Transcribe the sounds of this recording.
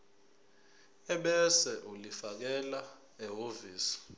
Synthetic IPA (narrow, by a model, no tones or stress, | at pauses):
ɛɓɛsɛʔulifak̬ɛla | ɛɦoviːsi̥